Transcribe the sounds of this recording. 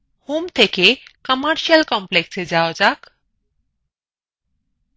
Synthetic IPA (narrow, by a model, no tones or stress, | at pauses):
huːmt̪ʰekʰekəməɾʃiəlkɔ̃mpleksed͡zaod͡zak